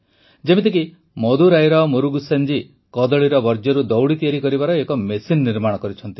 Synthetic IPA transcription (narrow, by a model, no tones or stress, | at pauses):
d͡ʒemet̪ik̬i | mɔd̪uɾajɾɔmoɾuɡusend͡ʒi | kɔd̪ɔɭiɾɔbɔɾd͡ʒjɔɾud̪ɔwɽit̪ijaɾikɔɾibaɾɔekɔmesinːiɾmaɽ̃ɔkɔɾit͡ʃʰɔnt̪i̥